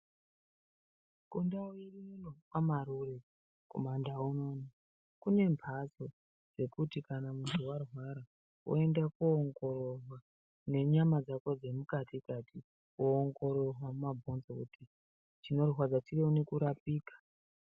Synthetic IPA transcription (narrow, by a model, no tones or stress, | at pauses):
kundaoirinunokamaɾure | ko̞̰mandauno̞ːno | kune̞mpʰaso̞ | d͡ze̞kutikanamuntʰuwarwaɾa | o̰e̞ndakuːŋɡo̞ro̞rwa | ne̞ɲamad͡zako̞d͡ze̞mukatikati | oːŋɡo̞ɾo̞rwamumabʱo̞nzokuti | t͡ʃino̞riɦwad͡zat͡ʃireunekuɾapiːkḁ